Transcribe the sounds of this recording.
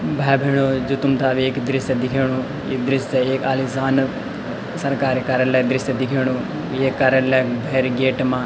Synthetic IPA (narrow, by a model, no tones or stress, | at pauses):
bʱaːbʱeːɽ̃oːd͡ʒʊt̪ʊmt̪aːʋieːkd̪ɾɪsed̪ɪkʰeːɽ̃u | id̪ɪɾɪseeːkaːlisaːn | sɐɾkaːɾkaːɾəlɛːd̪ɾɪst̪ed̪ɪkʰeːɽ̃ũː | eːkːaːɾəlɛːbʱeːɾɡeːʈmãː